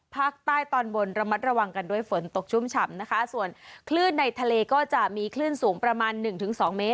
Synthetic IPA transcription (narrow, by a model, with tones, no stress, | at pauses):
pʰaː˥˩k̚t̪aː˥˩jt̪ɔː˧nbo˧nɾa˧ma˦˥t̪̚ɾa˧wa˧ŋka˧ndu˥˩əjfo˩˦nt̪o˨˩k̚t͡ɕʰu˦˥˩mt͡ɕʰa˧mna˦˥kʰa˦˥su˨˩ənkʰlɯː˥˩nːa˧jt̪ʰa˧leː˧kɔː˥˩t͡ɕa˨˩ʔmiː˧kʰlɯː˥˩nsuː˩˦ŋpɾa˧maː˧nːɯ˨˩ŋt̪ʰɯ˩˦ŋsɔː˩˦ŋmeː˦˥t̪̚